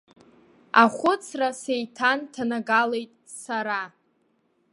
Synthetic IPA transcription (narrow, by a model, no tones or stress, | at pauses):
aχʷʊt͡sʰrasejtʰantʰanaɡale̞jtʼ | saɾa